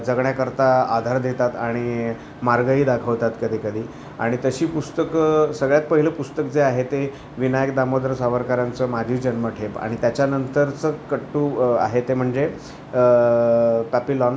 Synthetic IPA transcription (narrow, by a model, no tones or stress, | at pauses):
d͡zəɡɳjakəɾt̪aad̪ʱaɾd̪ʱet̪at̪aɽ̃i | maɾɡəiːd̪akʰəʋt̪at̪kəd̪ʱiːkəd̪ʱiː | a̰ɽ̃it̪əɕiːpust̪əksəɡɭjat̪̚pəɦiləpust̪ək̚d͡zeaɦet̪e | ʋinajəkd̪amod̪ɾəsaʋəɾkaɾãnt͡səmad͡ʑ̪ʱiːd͡ʑənməʈʰepa̰ɽ̃it̪jat͡ɕjanənt̪əɾt͡səkəʈːuːa̰ɦet̪em̤əɳd͡ze | pæpilɔn